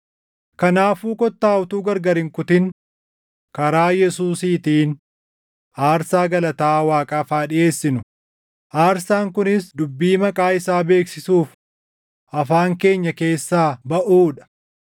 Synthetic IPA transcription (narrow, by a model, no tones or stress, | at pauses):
kɐnaːfuːkɔt̪ːaːwʊt̪uːɡɐɾɡɐɾɪŋkʊt̪ɪn | kɐɾaːjɛsuːsiːt̪iːn | ʔaːɾsaːɡɐlɐt̪aːwaːkʼaːfaːᶑɪjʔe̞ːsːɪnʊ | ʔaːɾsaːŋkʊnɪsd̪ʊbːiːmɐkʼaːɪsaːbe̞ːksɪsuːf | ʔɐfaːŋke̞ːɲːɐke̞ːsːaːbɐʔuːᶑɐ̥